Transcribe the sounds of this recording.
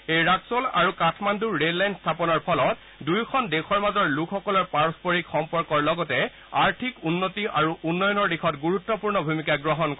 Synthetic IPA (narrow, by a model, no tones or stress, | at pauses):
ejɹaksola̰ɹukatʰmanduːellajnstʰapɔnɔɹpʰɔlɔt | dujkʰɔndexʰɔɹmazɔɹlukʰxɔkɔlɔɹpaɹɔspoɹikxɔmpɔɹkɔɹlɔɡɔtɛ | aɹtʰikunːotiʔaɹuʔunːɔjɔnɔɹdikʰɔtɡuɹutːɔpuɹnɔbʱumikaɡɹɔɦɔnkɔ